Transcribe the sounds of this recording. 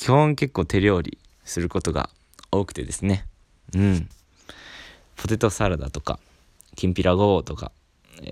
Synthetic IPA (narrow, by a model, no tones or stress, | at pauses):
kʲihõŋke̞kːo̞ːt̪e̞ɾʲo̞ːɾʲḭ | sɨɾɯ̟ko̞t̪o̞ɡa̰ | o̞ːkɯ̥t̪e̞d̪e̞sɨne̞ | ɯ̟̃ɴ | pʰo̞t̪e̞t̪o̞saɾad̪a̰t̪o̞ka̰ | kʲĩmpʲiɾaɡo̞ːt̪o̞ka̰